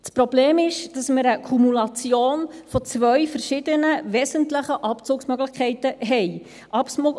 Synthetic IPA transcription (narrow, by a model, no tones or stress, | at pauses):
spɾob̥leːmɪʃd̥ɑsməɾəkʰumulɑt͡sjoːnfɔt͡sʋœɥfəɾʃɪd̥ənəʋɛsəntləχəʔɑpt͡suːksmœɡlɪχkʰɛɪtəɦɛj | ʔɑpsmo